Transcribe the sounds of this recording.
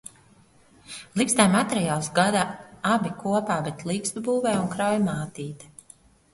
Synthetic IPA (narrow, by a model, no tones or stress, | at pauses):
lˠikst̪ajmat̪eɾijaːlˠsɡad̪aabʲikʰuɔpaːbet̪lˠiːkst̪ubuːvɛːunkɾawjmaːt̪iːt̪